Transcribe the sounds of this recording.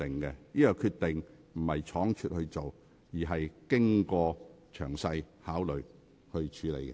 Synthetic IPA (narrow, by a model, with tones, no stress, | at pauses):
ɪ˨˩ŋkɛ˧niː˥kaː˨˧kʰyː˧t̪ɪ˨ŋ | m̩˨˩hɐ˨jt͡ʃʰɔː˨˥ŋt͡ʃʰyː˧t̚hɵ˧ɥt͡so˨w | jiː˨˩ɦɐ˨jkɪ˥ŋkɔː˧ | t͡ʃʰœ̰ː˨˩ŋsɐ˧j | haː˨˥wlɵ˨ɥ | hɵ˧ɥt͡ʃʰyː˨˥lḛ˨˩jkɛ̰˧